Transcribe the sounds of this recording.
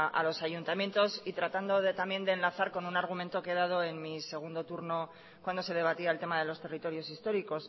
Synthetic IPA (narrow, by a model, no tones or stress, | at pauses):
ʔa̰lo̞saʝunt̪amje̞nt̪o̞sit̪ɾat̪and̪oðt̪amje̞nd̪e̞ːnlaθaɾko̞nunaɾɣ̞umẽ̞nt̪oke̞ð̞að̞o̞e̞nmise̞ɣ̞und̪o̞t̪uɾno̞ | kwand̪o̞se̞ð̞e̞β̞at̪iaelt̪e̞maðe̞lo̞st̪e̞rit̪o̞ɾjo̞sist̪o̞ɾiko̞s